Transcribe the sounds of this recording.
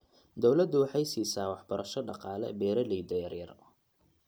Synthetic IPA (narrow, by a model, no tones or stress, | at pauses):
d̪ɔwlɐd̪ːʊwɑħɑjsiːsaːwɑħbɐɾʔɐʃɔɖɑqɑːlɛ̰bɛːɾɐlɛjd̪ɛjɐrjɐ̰r